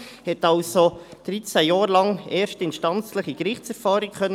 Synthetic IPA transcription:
hɛtɑlsod̥ɾit͡sæjɑːɾlɑŋɛːɾʃtɪnʃtɑnt͡sləχiɡɾɪχt͡sɛɾfɑːɾikχœnː

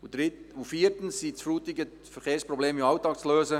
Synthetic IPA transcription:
ʊdɾɪufiːɾtənsːit͡sfruːtɪɡə | fɛχeːsprɔbleːmimɑwtɑːkt͡sløːzə

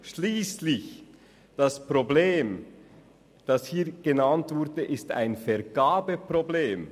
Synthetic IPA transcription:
ʃliːslɪç | d̥ɑspʁ̥obleːm | d̥ɑshiːɐɡ̥ənantv̥ʊʁdəʔɪsta̰ɪnfɛʁɡ̥aːbəpʁobleːm

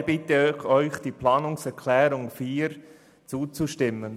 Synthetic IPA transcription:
b̥ɪtəxœʏçd̥iːpʰlaːnʊŋsɛɾkʰlɛːɾʊŋfiːɾ | t͡suːt͡suʃtɪmən

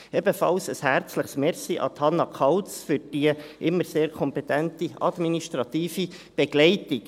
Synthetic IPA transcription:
ɛbəfɑlsəshæɾt͡sləχsmɛɾsiʔɑ̰t̪hɑnːɑkʰɑlt͡sfʏɾd̥iəʔɪmːəɾseːɾkʰɔmpet̪æntiɑd̪miniʃtɾɑt̪iːfi | b̥eɡ̥lɛɪtik

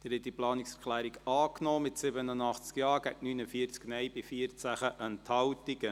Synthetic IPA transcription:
d̪̥ɪɾhɛt̚d̥iplɑːniksɛɾkʰlæːɾiɡɑːknɔːmɪtsɪbənənɑχt͡skjɑːɾɡæ̰ɡənynəfiəɾt͡sknɛjbɪfiəɾt͡sæχəʔənt̪ʰhɑwtiɡə

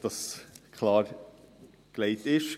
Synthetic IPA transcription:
d̥ɑskʰχlɑːɾ | klɛɪt̪ɪʃ

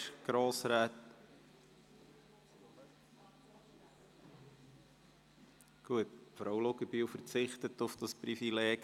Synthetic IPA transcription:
ɡ̥ɾoːsɾæːt̪ | ɡ̥uətfɾɔwloɡəbiwfəɾt͡sɪχtətʊfd̥ɑspɾifilɛː

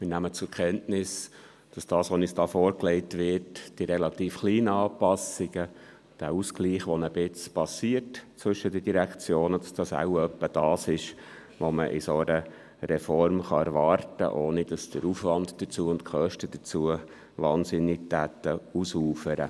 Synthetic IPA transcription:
mɪnæmət͡sʊɾkʰɛntnɪs | d̥ɑsd̥ɑːsʋonisd̥ɑːfɔːɾklɛɪtʋɪɾtd̥iɾɛlɑt̪iːfχliːnəɑːpɑsɪɡ̥ə | d̥æːuskliːχʋɔnəb̥ɪt͡spɑsiərtt͡sʋʏʃːədəd̥iɾækt͡sjoːnəd̥ɑsd̥ɑsa̰ʊœpːəd̥ɑːsɪʃ | ʋoməʔɪsoɾə | ɾɛfɔɾmχɑ̰ɛɾʋɑːɾtə̰ʔoːnid̥ɑsd̥əɾufʋɑndd̥̪ət͡suəʊntkχœʃtəd̥̪ət͡suə | ʋɑːnsɪnːɪk̚tæt̪ːəusuːfəɾə̰

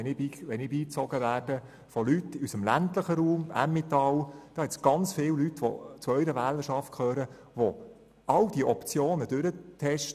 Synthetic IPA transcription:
ɛnɪbiːʋɛnɪbiːt͡sɔɡəʋæːrd̥ə | fɔlytːɪysəmlæ̰ntləχəɾuːmʔæ̰mːɪt̪ɑld̥ɑːhɛt͡sɡ̥ɑnt͡sfɪːwlytʋɔ̰t͡suœʏɾəʋæːləʃɑft̚kʰøːɾə | ʋɔ | ɑld̥iəʔɔpt͡sjoːnədøɾət̪ʰɛʃt

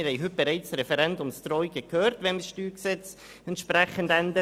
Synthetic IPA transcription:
ɪɾhɛɪɦʏt̚b̥əɾɛɪt͡sɾɛfəɾɛndʊmstrɔʏjɡəkʰøːɾtʋɛməsʃtyːksɛt͡s | ɛntʃprɛχəndɛndə

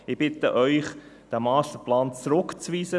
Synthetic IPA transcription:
ɪb̥ɪt̪əʔœʏχ | d̥æːmaːstəplaːnt͡sɾʊkt͡sviːsə

